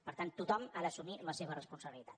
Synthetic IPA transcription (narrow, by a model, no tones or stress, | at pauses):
pəɾt̪ant̪ut̪ɔmaðəsumiləseβərəspunsəβilit̪ḁt̪